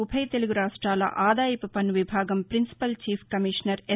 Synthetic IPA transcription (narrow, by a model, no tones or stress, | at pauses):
ubʰʱɐjt̪e̞luɡuɾaːʂʈɾaːlɐ̰ʔaːd̪aːjɐpupɐnʋibʱaːɡɐmpɾinsi̥pɐlt͡ʃiːpʰkɐmiʂnɐɾe